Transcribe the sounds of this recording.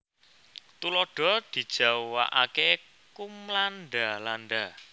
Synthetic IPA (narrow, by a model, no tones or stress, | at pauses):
t̪ulɔɖ̥ɔ̤d̪̥i̤d̥ʒ̥a̤wa̰ʔake | kumlanɖalanɖa